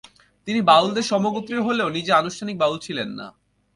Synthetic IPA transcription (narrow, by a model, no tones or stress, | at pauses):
t̪inibawld̪eɾʃɔmoɡut̪ːɾiɾɦoleonid͡ʑeanuʃtʰanik̚bawlt͡ɕʰilenːa̰